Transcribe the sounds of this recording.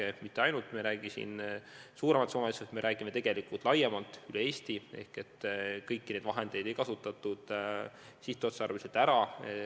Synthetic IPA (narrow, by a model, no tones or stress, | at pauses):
emit̪ːe̞ɑjnult̪ːˑmeɾæːɡ̥isḭnsuːɾemɑt̪soːneset̪me̞ɾæːɡ̥ime̞t̪e̞ɡ̥e̞likult̪ˑlɑjemɑlt̪ːˑylee̞ːst̪ie̞̰hke̞t̪ːkɤjkːined̪vɑɦe̞nd̪̥e̞jd̪̥e̞jkɑsut̪ːˑɑt̪ːˑud̪̥ | siht̪ːˑuot̪seɑrveset̪æɾɑ